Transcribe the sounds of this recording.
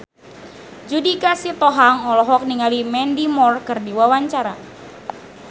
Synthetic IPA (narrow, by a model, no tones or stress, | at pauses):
d͡ʒudikasit̪ɔɦaŋɔlɔɦɔk̚niŋalimɛndimɔrkɨrdiwawaɲt͡ʃaɾa